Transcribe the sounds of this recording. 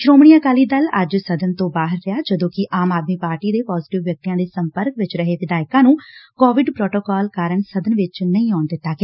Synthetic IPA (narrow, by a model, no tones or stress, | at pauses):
ʃɾoːmɳiːãːkaːliːd̪ələ̰d͡ʒsəd̪ənt̪õːbaːɦəɾːɪjaːd͡ʒəd̪õːkɪʔaːmaːd̪miːpaːɾʈiːd̪eːpɔːzɪʈɪʋːjək̚t̪ijãːd̪eːsəmpəɾkʋɪt͡ʃɾəɦeːʋɪd̪aːɪkãːnũːkoːʋɪɖpɾoːʈoːkaːlkaːɾəɳsəd̪ənʋɪt͡ʃnəĩːɔːɳd̪ɪt̪ːaːɡeː